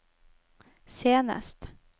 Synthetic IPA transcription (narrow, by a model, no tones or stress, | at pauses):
seːnə̰st̪